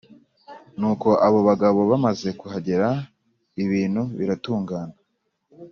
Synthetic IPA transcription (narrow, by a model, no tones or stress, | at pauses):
nuːko̞ʔaβo̞βaɡaβo̞βamaze̞kuɦaɟe̞ɾa | iβiːnhuβiɾatuːŋɡaːna